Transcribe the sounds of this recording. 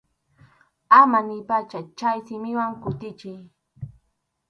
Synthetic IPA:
amanɪpat͡ʃat͡ʃajsɪmɪwaŋkʊt̪ɪt͡ʃɪj

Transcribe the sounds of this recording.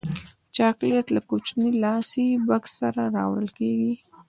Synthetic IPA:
t͡ʃɑkleʈlakot͡ʃnilɑsibaksaɾaɾɑ̰wə̰lkeɡi

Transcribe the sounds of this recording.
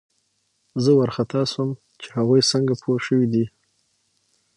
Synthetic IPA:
zəwaɾxat̪ɑsəm | t͡ʃe̥haɣujsəŋɡapʰoɾʃəwid̪i

